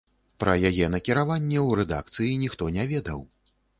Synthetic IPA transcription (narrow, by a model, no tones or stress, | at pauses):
pɾʔɐjajɛnɐkʲiɾavanʲːɛwɾɛd̪a̰k̚t̪sɨjinʲixt̪ɔnʲavʲɛd̪ɐw